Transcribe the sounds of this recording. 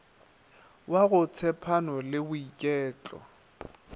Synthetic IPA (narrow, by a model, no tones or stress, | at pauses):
waɣʊt͡sʰɛpʰanɔlɪbʊikʼɛːt͡ɬʼɔ̰